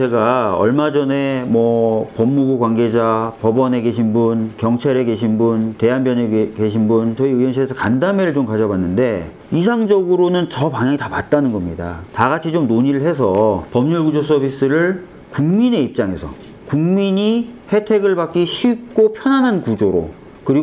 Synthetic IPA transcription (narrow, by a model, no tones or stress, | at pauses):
t͡ɕe̞ɡaʌɭmad͡ʑʌne̞mwʌpʌmːuɡukwanɡe̞d͡ʑapʌbʌne̞ke̞ɕ̬ʰinbunkjʌŋt͡ɕʰaɾe̞ke̞ɕʰinbunte̞ɦanbjʌneke̞ɕ̬ʰinbunt͡ɕʌiɯjʌnɕʰiesʰʌkandame̞ɾɯɭt͡ɕomkad͡ʑʌbanːɯnde̞ | is̬ʰaŋd͡ʑʌɡɯɾonɯnt͡ɕʌpaŋjaŋitapat̚t͈anɯnɡʌmɲida̰taɡat͡ɕʰid͡ʑomnoɲiɾɯɭɦe̞s̬ʰʌpʌmɲuɭɡud͡ʑos͈ʰʌbʱis͈ɯɾɯɭ | kuŋmine̞ip̚t͡ɕ͈aŋe̞sʰʌ̰ | kuŋmiɲihe̞tʰe̞ɡɯɭbak͈iɕʰuik̚k͈opʰjʌnanɦankud͡ʑoɾo̰ | kɯɾiɡo